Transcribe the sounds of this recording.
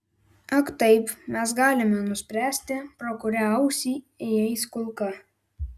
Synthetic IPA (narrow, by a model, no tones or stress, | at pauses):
ɐkt̪ɐɪpmʲɛs̬ɡɑːlʲɪmʲɛnʊsʲpʲɾʲæːsʲt̪ʲɪpɾɔkʊɾʲɛɐʊsʲiː | ɛjɛɪskʊlˠkɐ